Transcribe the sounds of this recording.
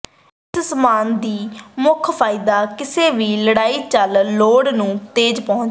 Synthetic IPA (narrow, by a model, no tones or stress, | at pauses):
t̪smaːnd̪iːmʊkʰpʰaːid̪aːkɪseːʋiːləɽaːiːt͡ʃəlːoːɽnũːt̪eːd͡ʒpɔ̃ʊt͡ʃ